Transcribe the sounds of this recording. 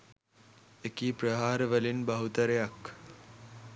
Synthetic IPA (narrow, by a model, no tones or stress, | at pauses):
ekiːpɾɐɦaːɾəʋəlinbɐɦut̪əɾejɐk